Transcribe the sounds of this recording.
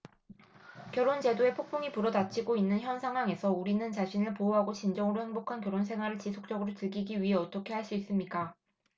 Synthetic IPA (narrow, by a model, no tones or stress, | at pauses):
kjʌɾont͡ɕe̞doe̞pʰok̚pʰoŋipuɾʌdat͡ɕʰiɡoinːɯnçjʌnsʰaŋɦwaŋe̞sʰʌuɾinɯnt͡ɕaɕʰinɯɭpooɦaɡoɕind͡ʑʌŋɯɾohe̞mbokʰankjʌɾons̬ʰe̞ŋɦwaɾɯɭt͡ɕisʰok̚t͡ɕ͈ʌɡɯɾotɯɭɡiɡiɥiɦe̞ʌt͈ʌkʰe̞ɦaɭs͈uis͈ɯmɲik͈a